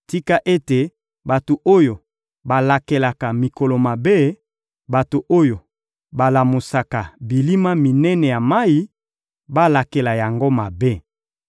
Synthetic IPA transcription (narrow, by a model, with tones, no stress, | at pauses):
ti˦ka˦ʔe˦te˨ | ba˨to˨ʔo˦jo˨ | ba˨la˨ke˨la˨ka˨mi˨ko˨lo˨ma˨be˦ | ba˨to˨ʔo˦jo˨ | ba˨la˨mo˨sa˨ka˨bi˨li˦ma˦mi˨nɛ˦nɛ˨ja˨ma˦ji˦ | ba˦la˨ke˨la˨ja˨ŋɡo˦ma˨be˦